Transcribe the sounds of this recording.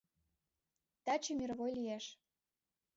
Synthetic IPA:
t̪æt͡ɕə̆mʲirβojlijeʃ

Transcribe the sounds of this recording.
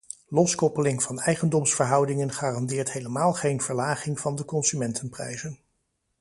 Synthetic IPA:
lɔskɔpəlɪŋv̥ɑnɛjχəndɔmsfəɹɦʌwdɪŋənχaːrɑndɪːɹtɦejləmaːlˠχejnv̥əɹlaːχɪŋv̥ɑndəkɔnsymɛntʰənprɛ̰jzən

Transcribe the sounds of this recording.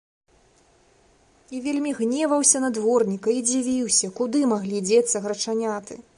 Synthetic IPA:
ivʲelʲmʲiɣnʲɛvɐwsʲɐnad̪vɔrnʲikɐid͡zʲivʲiwsʲɐkud̪ɨmaɣlʲid͡zʲɛt̪sɐɣɾɐt͡ʂanʲat̪ɨ

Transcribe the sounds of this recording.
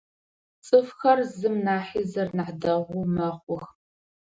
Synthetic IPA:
t͡sʼɨfxɐrzɨmnaːħiːzɐrnaħdɐʁʷʊmɐχʷʊx

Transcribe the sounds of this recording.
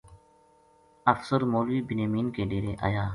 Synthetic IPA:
ɐfsəɾmoːlwiːbɪnjəmiːnkeːleːɾeːʔa̰ːjaː

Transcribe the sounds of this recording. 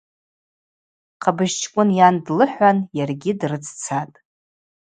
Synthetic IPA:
qʰabɨʒt͡ʃʰʼkʷʼʊnjandlɨħʷanjarɡʲɪdrɨt͡sʰt͡sʰatʼ

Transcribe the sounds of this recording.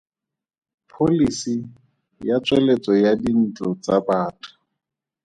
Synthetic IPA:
pʰolisi | jat͡swɛlet͡sɔjadin̩t͡ɬʼɔt͡sabaːtʰʼʊ̥

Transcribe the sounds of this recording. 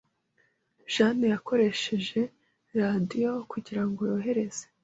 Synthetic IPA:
ʒ̥anejako̞ɾe̞ʃe̞ʒe̞ | ɾadijo̞kuɟiɾaŋɡojoɦe̞ɾe̞z̥e̥

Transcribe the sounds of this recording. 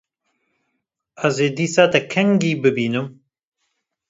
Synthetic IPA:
ɐzeːd̪iːsaːt̪ɛkʰɛŋɡiːbɨbiːnɨm

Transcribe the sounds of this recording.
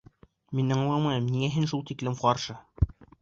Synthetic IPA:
minːɘŋlˠɑmɑj̪ɤmniŋæɦɘnʃulˠt̪iklɘmqɑɾʃɤ

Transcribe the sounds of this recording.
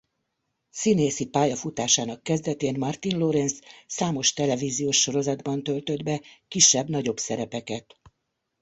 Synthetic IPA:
sineːsipaːjɒfut̪aːʃaːnɒkːɛzd̪ɛt̪eːnmɒrt̪inlo̞ɾɛnsːaːmo̞ʃt̪ɛlɛviːzijoːʃːo̞ɾo̞zɒd̪bɒnt̪ølt̪ød̪bɛkiʃːɛbnɒɟo̞bsɛɾɛpɛkɛt̪

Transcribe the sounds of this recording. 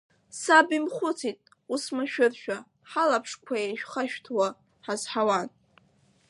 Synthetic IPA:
sabimχʷʊt͡sʰitʼ | usmaʃᶣʊrʃᶣa | ħalapʰʂkʷʰajeʃᶣχaʃᶣtʰwa | ħazħawan

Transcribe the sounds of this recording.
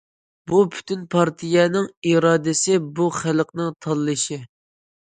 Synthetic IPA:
bupʰy̥t̪ʰynpʰɑɾt̪ʰijɛnɪŋiɾɑːd̪ɪsɪbuχælqnɨŋt̪ʰɑlˠːɨʃi

